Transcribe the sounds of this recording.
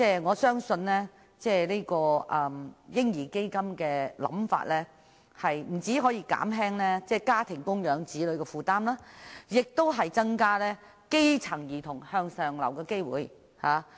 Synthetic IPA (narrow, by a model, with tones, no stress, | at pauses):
t͡sɛː˥˩ŋɔː˨˧sœː˥ŋsɵ˧nlɛː˥ | t͡sɛː˥˩le˥kɔː˧ʔɐː˧mjɪ˥ŋjiː˨˩ke˥jkɐ˥mkɛː˧lɐ̰˨˧˥mfa̰ː˧t̚lɛ˥ | hɐ˨jm̩˨˩t͡siː˨˥ɦɔː˨˥jiː˧ka̰ː˨˥mɦɛː˥ŋlɛː˥t͡sɛː˧˩kaː˥t̪ʰɪ˨˩ŋkʊ˥ŋjœː˨˥ŋt͡siː˨˥lɵ˨˧ɥkɛː˧fuː˨t̪aː˥mlaː˥jɪ˨k̚t̪o˥wɦɐ˨jt͡sɐ˥ŋkaː˥lɛː˥ | ke˥jt͡sʰɐ˨˩ŋjiː˨˩t̪ʰʊ˨˩ŋhœː˧ŋsœː˨ŋlɐ̰˨˩wkɛː˧ke˥jwṵː˨˧j | haː˨˧